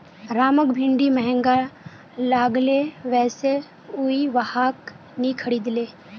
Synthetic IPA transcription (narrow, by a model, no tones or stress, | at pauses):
ɾaːməkbʱɪ̃ɳɖimɛɦə̃ŋɡa | laːɡleʋɛːse | uiʋəhaːk | nikʰəɽiːd̪leː